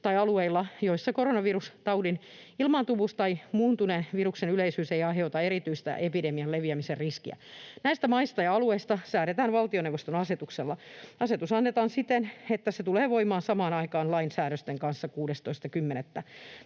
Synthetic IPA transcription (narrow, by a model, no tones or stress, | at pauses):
t̪ɑiɑlueilːɑjoisːɑkoɾonɑʋirust̪ɑudin | ilmɑnt̪uʋust̪ɑimuːnt̪unenʋiruksenyleisyːseiɑɦeot̪ɑeɾit̪yist̪æ̰ʔepidemiɑlleʋiæmiserriskiæ̰næist̪æmɑist̪ɑjɑɑlueist̪ɑsæːɾet̪æːnʋɑlt̪ioneʋost̪onɑset̪ukselːɑɑset̪usɑnːet̪ɑːnsit̪enet̪ːæset̪uleːʋoimɑːnsɑmɑːnɑikɑːnlɑinsæːɾøst̪eŋkɑnsːɑkuːdest̪oist̪ɑkymːenet̪ːæ